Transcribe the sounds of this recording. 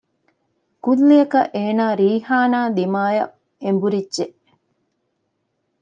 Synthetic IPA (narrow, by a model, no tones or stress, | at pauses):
kulːijɐkɐʔeːnaːɾiːhaːnaːd̪imaːjɐ̰ | embuɾidʒeʔ